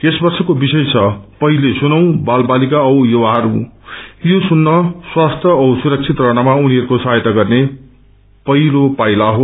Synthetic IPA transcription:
esbʌrsʌkobisʌjt͡sʰʌpʌɦilesunʌw̃balbalikaʌwjowaɦʌɾu | josunːʌswast̪ʰjʌʌwsuɾʌk̚t͡sʰit̪rʌɽ̃amauniɦʌɾukosʌajt̪aɡʌrne | pʌɦilopajlaɦo

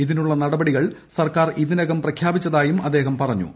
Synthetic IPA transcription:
iðinuɭːɐnɐɽɐbɐɽiɣɐɭsɐrkaːriðinɐɣɐmprɐkʰjaːbit͡ɕːɐðaːjumɐd̪ːe̞ːɦɐmpɐrɐɲːṵ

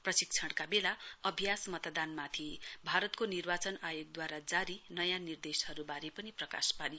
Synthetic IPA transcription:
prʌsik̚t͡sʰʌɽkabelaʌbʱjasmʌt̪d̪anmat̪ʰibʱaɾʌt̪konirbat͡sʌnajoɡ̚d̪waɾad͡zaɾinʌjãnird̪esɦʌɾubaɾipʌniprʌka̰spani

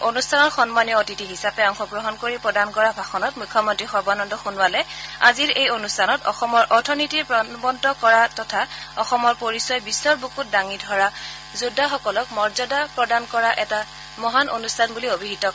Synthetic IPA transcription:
onustʰanɔɹxɔnmanijɔotitiɦisapɛɔŋxɔɡɹɔɦɔnkoɹipɹɔdankɔɹabʱaxɔnɔtmʊkʰːɔmɔntɹixɔɹbanɔndɔxunwalɛaziɹejonustʰanɔtɔ̰xɔmɔɹʔɔtʰɔnitiɹpɹɔbɔntɔkɔɹatɔtʰaɔxɔmɔɹpoɹisɔjbisːɔɹbukut̚daŋidʱɔɹa | zudːaxɔkɔlɔkmɔɹzɔdapɹɔdankɔɹaʔɛta | mɔɦanʔo̰nustʰanbuliobʱiɦitɔ

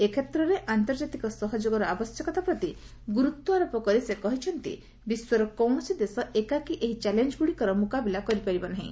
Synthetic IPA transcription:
ekʰet̪ɾɔɾeʔant̪ɔɾd͡ʒat̪ikɔsɔɦɔd͡ʒoɡɔɾɔabɔsjɔkɔt̪apɾɔt̪i | ɡuɾut̪ːɔaɾɔpɔkɔɾisekɔɦit͡ʃʰɔnt̪ḭ | biswɔɾɔkɔwɳ̃ɔsid̪esɔʔekakiʔeɦit͡ʃɛlend͡ʒɡuɽikɔɾɔmukabilakɔɾipaɾibɔnaɦḭ̃

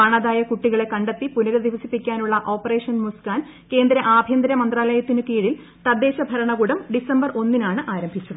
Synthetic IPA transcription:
aːɳɐd̪aːjɐkuʈːiɣɐɭe̞kɐɳɖɐt̪ːipunɐɣɐd̪iʋɐsipːikʲːaːnuɭːɐʔo̞ːpːɐre̞ːʂɐnmuskaːn | ke̞ːnd̪ɾɐʔaːbʱjɐnd̪ɐɾɐmɐnd̪raːlɐjɐt̪ːinɨkiːɽil | t̪ɐd̪ːe̞ːɕɐbʱɐɾɐɳɐɣuːɽɐmɖisɐmbɐro̞nːinaːɳɨʔaːɾɐmbʱit͡ɕːɐðɨ

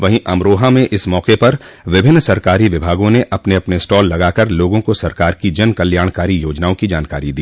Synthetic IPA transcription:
ʋɐɦĩʔɐmɾoːɦamẽʔɪsmɔːqepɐɾʋɪbʱɪnːsɐɾkaːɾiʋɪbʱaːɡõneʔɐpneɐpnesʈɔːlːɐɡaːkɐɾloːɡõkosɐɾkaːɾkid͡ʒɐnkɐljaːɽ̃kaːɾijoːd͡ʒnaːõkid͡ʒaːnkaːɾid̪iː

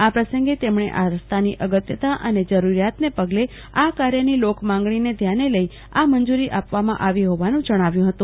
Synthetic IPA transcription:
apɾəsəŋɡet̪emɳ̃ḛʔaɾəst̪ʰaniʔəɡət̪jət̪aʔəned͡ʒəɾuɾjat̪nepəɡle | akaɾjənilokmãŋɡɳ̃ined̪ʱjaneləi | amənd͡ʒuɾiʔapʋamã̰ʔaʋiɦoʋanũd͡ʒəɽ̃aʋjũɦət̪ũ

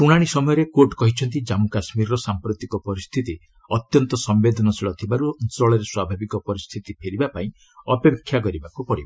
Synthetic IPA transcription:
uɽ̃aɽ̃isɔmɔjɔɾekoʈkɔɦit͡ʃʰɔnt̪id͡ʒamukasmiɾɔɾɔsampɾut̪ikɔpɔɾist̪ʰit̪i | ɔt̪jɔnt̪ɔsɔmbed̪ʱɔnɔsiɭɔt̪ʰibaɾunsɔɭɔɾeswabʱabikɔpɔɾist̪ʰit̪ipʰeɾibapaĩ | ɔpekʰːjak̬ɔɾibakupɔɽiba

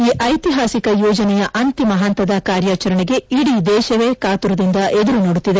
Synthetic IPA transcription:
iːʔɐjt̪iɦaːsikɐjɔːd͡ʒɐnɛjɐʔɐnt̪imɐɦɐnt̪ɐd̪ɐkaːɾjaːt͡ʃɐɾɐɳeɡe̞iɽid̪ɛːʃɐʋeːkaːt̪uɾɐd̪ind̪ɐʔed̪uɾunoːɽut̪ːid̪e̞

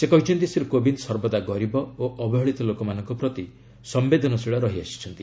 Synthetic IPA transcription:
sekɔɦit͡ʃʰɔnt̪isiɾkobinsɔɾbɔd̪aɡɔɾibɔoʔɔbɔɦɔɭit̪ɔlokɔmanɔŋkɔpɾɔt̪i | sɔmbed̪ʱɔnɔsiɭɔɾɔɦiasi̥t͡ʃʰɔnt̪i

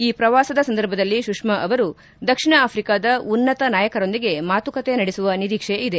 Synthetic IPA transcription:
iːpɾɐʋaːsɐd̪ɐsɐnd̪ɐɾbʱɐd̪ɐlːiʃukʂmɐʔɐʋɐɾu | d̪ɐkʂiɳɐaːpʰɾikaːd̪ɐunːɐt̪ɐnaːjɐkɐɾo̞nd̪iɡe̞maːt̪ukɐt̪enɐɽesuʋɐniɾiːkʂeid̪e̞

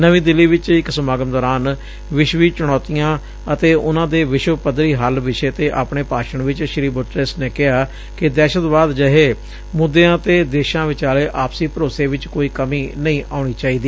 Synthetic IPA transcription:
nəʋĩːd̪ɪlːiːʋɪt͡ʃɪksəmaːɡəmd̪ɔːɾaːn | ʋɪʃʋiːt͡ʃʊɽ̃ɔːt̪ijãː | ət̪eːʔʊnãːd̪eːʋɪʃwəpəd̪ɾiːɦəlʋɪʃeːt̪eːʔaːpɳeːpaːʃəɳʋɪt͡ʃʃɪɾiːbʊʈɾesneːkɪɦaː | kɪd̪ɛːʃət̪baːd̪d͡ʒəɦeː | mʊd̪ːeːãːt̪eːd̪eːʃãːʋɪt͡ʃaːleːʔaːpsiːpəɾoːseːʋɪt͡ʃkoːiːkəmiːnəĩːʔaːɳ̃iːt͡ʃaːiːd̪iː

